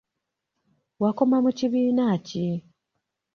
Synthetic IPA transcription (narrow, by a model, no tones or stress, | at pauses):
wako̞mamuciβiːnaci